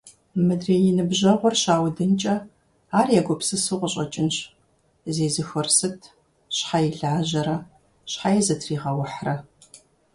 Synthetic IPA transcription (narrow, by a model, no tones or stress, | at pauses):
mɨdreːjɪnɨbʑɐʁʷɔrɕaːwdɨnt͡ʃʼɐ | aːrjaɡʷɔpsɨsɨʁʷɔɕʼɐt͡ʃʼɪnɕ | zeːzɨxɐrsɨtʰ | ɕħajɪɮʕaːʑɐɾɐ | ɕħajɛzɐtʰriːʁɐwɐħrɐ